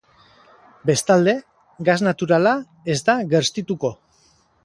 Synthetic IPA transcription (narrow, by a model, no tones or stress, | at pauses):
be̞st̪ald̪e̞ | ɡaznat̪uɾala | e̞zd̪aɣe̞ɾst̪it̪uko̞